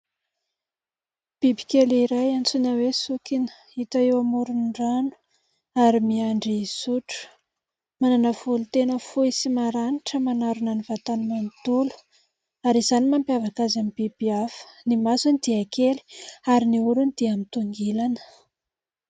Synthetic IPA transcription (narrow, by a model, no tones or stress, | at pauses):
b̥ibi̥kʲeliɾajant͡sunawesukinə̥ | it̪aewamuɾunɖ͡ʐanu̥ | aɾimiaɳɖ͡ʐisuʈ͡ʂu̥ | mananavulut̪enəfuisimaɾaniʈ͡ʂəmanaɾunanivat̪anmant̪ulu̥ | aɾiz̥animampiavakazamib̥ibiafə̥nimasunid̪̥iakʰeli̥aɾiniuɾunid̪̥iamint̪uŋɡilanə̥